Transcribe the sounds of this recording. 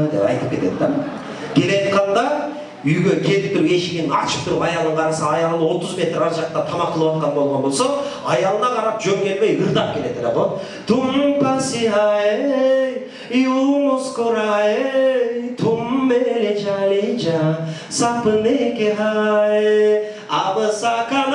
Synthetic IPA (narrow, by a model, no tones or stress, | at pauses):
d̪ḛpɑ̰jt̪ɨp̚kʰʲe̞t̪e̞d̪d̪ɑ | kʲʰelejt̪qʰɑnd̪ɑ | yjɡʲekʲʰe̞lɪp̚t̪ʊɾe̞ʃiɡʲɪnɪnɑ̰t͡ʃʰɯ̥p̚t̪ʰʊɾupɑjɑlˠəʁɑɾɑsɑːjɑlˠənwo̞t̪ʊzme̞t̪ɾɑɾʒɑqt̪ɑt̪ʰɑmɑqʰːəlˠuwɑt̪qɑnbo̞lˠʁɑnbo̞lˠso | ɑjɑlˠənɑqʰɑɾɑp̚d͡ʒømkʲʰe̞lmejɨɾd̪ɑp̚kʲʰe̞le̞t̪ʰeɾeqo | t̪ʰumpasiɦajej | jumoskoɾɑjejt̪ʰumbeled͡ʒalit͡ʃa | sɑpɯnekeɦaj | ɑbɯsɑkɑn